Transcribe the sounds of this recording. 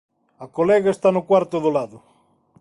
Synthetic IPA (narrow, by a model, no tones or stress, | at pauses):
akolɛɣaest̪anokwaɾt̪oðolaðʊ